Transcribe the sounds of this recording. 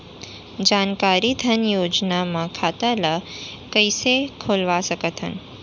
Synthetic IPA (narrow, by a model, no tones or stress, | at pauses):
d͡ʒankaɾid̪ʱənjod͡ʒnamãkʰat̪ələkəjsekʰolʋasəkət̪ʰə̰n